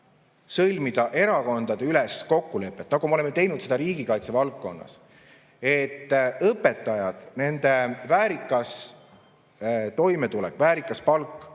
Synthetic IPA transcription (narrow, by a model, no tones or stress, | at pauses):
sɤlʲmid̪̥ɑʔe̞ɾɑko̞nd̪̥ɑd̪eylɛsko̞kːule̞pːˑet̪ːˑnɑɡ̥umeolemːet̪e̞jnut̪se̞d̪ɑɾiːɡikɑjt̪se̞vɑlk̚ko̞nːɑ̰s | e̞t̪ːɤpːe̞t̪ːˑɑjɑd̪̥ne̞nd̪̥e̞væːɾikːˑɑs | t̪o̞jmet̪ulɛ̰kːˑvæːɾikːˑɑspɑlkːˑ